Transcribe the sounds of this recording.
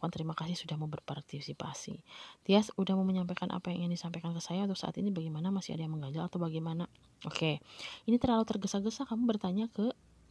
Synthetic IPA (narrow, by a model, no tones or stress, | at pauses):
kant̪əɾimakas̬ɪhsudahmubərpart̪isipa̰sḭt̪iasudahmuməɲampajkanʔa̰pajaŋiaŋdisampajkankəsajaunt̪ʊksa̰ʔa̰t̪inibaɡajmanamasia̰dajaŋməŋɡaɲd͡ʒalat̪awbaɡajmana | ʔokeinit̪ərlalut̪ərɡəsaɡəsakamubərt̪aɲakə